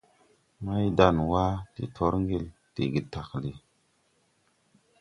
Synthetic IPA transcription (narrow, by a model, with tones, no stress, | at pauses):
ma˦jda˨nwa˦tḭ˨tʰo˦ɾŋɡe˦l | tḛ˨ɡi˨ta˨kli˨